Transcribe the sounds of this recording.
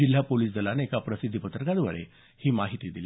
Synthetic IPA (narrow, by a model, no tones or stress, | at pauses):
il̤ːapoliːsd͡z̪ʱəlaneekapɾəsid̪ʱːipət̪ɾəkad̪ʋə̰ɭḛ | hiːmaɦit̪id̪ili